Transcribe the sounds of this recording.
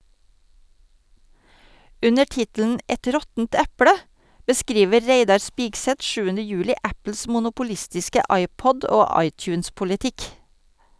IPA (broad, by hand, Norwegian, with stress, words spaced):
ˈʉnəɾ ˈtɪtl̩ən ˈɛt ˈɾɔtənt ˈæpɽə bəˈskɾiːʋə ˈɾeɪdɑɾ ˈspɪɡsɛt ˈʃʉːənə ˈjʉːlɪ ˈʔæpl̩s mʊnʊpʊˈlɪstɪskə ˈɑɪˌpɔd ˈoː ˈɑɪˌtjʉːns pʊlɪˈtɪk